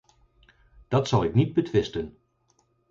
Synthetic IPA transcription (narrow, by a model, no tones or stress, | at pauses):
d̥ɑtsɑlˠɪknid̚bətʋɪstən